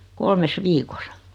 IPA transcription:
kolmes ʋiːkosɑ

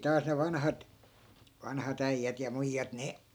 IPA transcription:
tɑːs ne ʋɑnhɑt ʋɑnhɑt æijːæt jɑ muijːɑt ne

